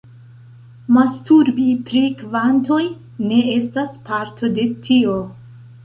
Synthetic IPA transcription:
mastuɾbipɾikvanto̞j | ne̞e̞staspaɾtʰo̞de̞tʰio

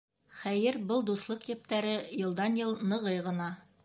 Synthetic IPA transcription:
χæjɘɾbɤlˠd̪uslˠɤqjɘ̆p̚t̪æɾɘjɤ̆lˠd̪ɑnjɤlˠnɤ̆ʁɤjʁɤ̆nɑ

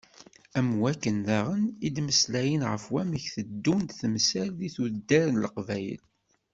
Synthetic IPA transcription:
æmwækːənðæʁənid̪məslæjənʁəfwæməçθəd̪ːund̪θəmsælðiθud̪ːæɾnləqvæjə̰l

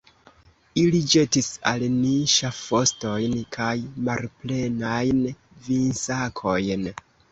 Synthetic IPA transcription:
ilid͡ʒe̞tisa̰lniʃafo̞sto̞jnkʰajmalple̞najn | vinsakʰo̞jn

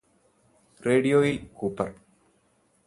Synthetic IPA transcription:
reːɽijoːjilkuːpːɐr

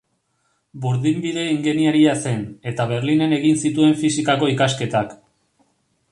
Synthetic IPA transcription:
buɾðimbiðe̞iŋɡeniaɾiase̞ne̞t̪aβ̞e̞ɾline̞ne̞ɣinsit̪ue̞ɱfisikako̞ikaske̞t̪ak

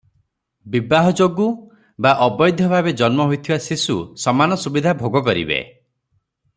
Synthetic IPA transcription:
bibaɦɔd͡ʒoɡu | baʔɔbɔjd̪ʱjɔbʱabed͡ʒɔnmɔɦojt̪ʰibasisṵsɔmanɔsubid̪ʱabʱoɡɔk̬ɔɾḭbḛ

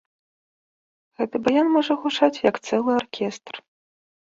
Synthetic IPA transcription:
ɣɛt̪ɨbajanmɔʐɐɣut͡ʂat͡sʲjɐkt̪sɛlˠɨarkʲɛst̪r

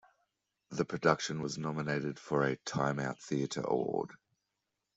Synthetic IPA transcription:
ðəpʰɹ̥ədʌkʃə̃nwɒznɒməneɪɾɪd̥fəɹətʰãɪ̃maʊt̪̚θiətʰə̰ɹəə̰w̰ɔ̰ːd̥

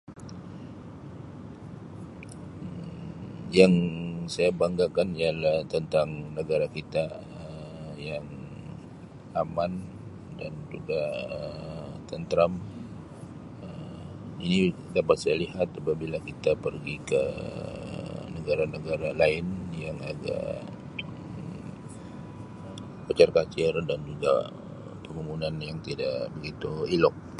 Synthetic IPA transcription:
jaŋsajabaŋɡakanialaht̪ənt̪aŋnəɡaɾakit̪a | əjaŋ | aman | dand͡ʒuɡaət̪ənt̪ɾam | ə | inidapat̪̚sajalihat̪apabilakit̪apərɡikə | nəɡaɾanəɡaɾalaɪnjaŋaɡa̰ | ə | pət͡ʃarkat͡ʃɪrdand͡ʒuɡa̰ | pəmumunanjaŋt̪idaʔbəɡit̪uilɔk̚

